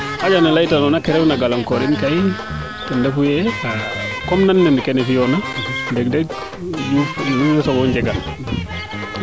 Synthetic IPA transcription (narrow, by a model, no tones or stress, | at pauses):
ʔad͡ʒanalajtanɔnakɛɾɛfnaɡalaŋkɔɾinkaj | tɛndɛfujɛakɔmnanːɛnikɛnɛfijɔnadɛɡdɛɡ̚ | d͡ʒufuɛsɔɡɔɲd͡ʒɛɡal